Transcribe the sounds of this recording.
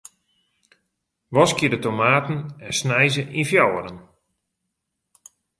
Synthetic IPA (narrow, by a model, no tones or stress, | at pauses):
ʋɔskədətomaːtən̩ɛnsnɛjzəʔinfjawəɾən